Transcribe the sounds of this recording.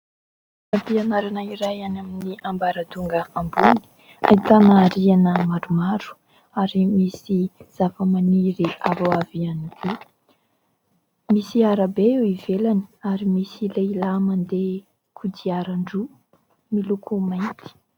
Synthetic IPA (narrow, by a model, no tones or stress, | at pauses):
napianaɾanaiɾajanaminiʔambaɾad̪uŋɡəambuni̥ | a̰it̪anaːɾianəmaɾumaɾu̥ | aɾimisiz̥afəmaniɾiavawavianikʰu | misiaɾabeewivelani̥aɾimisileilamand̪e | kʰud̪iaɾaɳɖ͡ʐu | milukʰumajnt̪ʰi̥